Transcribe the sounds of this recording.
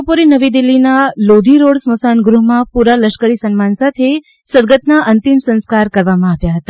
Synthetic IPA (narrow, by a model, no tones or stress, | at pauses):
opoɾinəʋid̪ilːinalod̪ʱiɾoɽsməsanɡɾuɦmãpuɾaləʃkəɾisənmansat̪ʰe | səɾɡət̪naʔənt̪imsə̃nskaɾkəɾʋamãaʋjaɦət̪a